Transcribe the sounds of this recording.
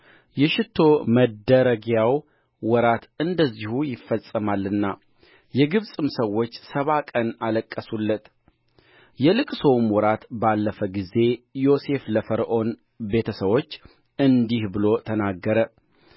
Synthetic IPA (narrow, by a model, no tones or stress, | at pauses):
jɛʃɪt̪ʰːo̞məd̪əɾəɡjaw | wɔɾat̪ɨnd̪əzːihujɪfːəsʼəmalːɨnːa | jɛɡɨβsʼɨmsəwːo̞t͡ʃːsəβakʼənaləkʼːəsulːət̪ | jɛlɨkʼsowmwɔɾat̪balːəfəɡize̞jo̞se̞fləfəɾʔo̞n | be̞t̪ʰəsəβo̞t͡ʃː | ɨnd̪ihbɨlo̞t̪ʰənaɡːəɾə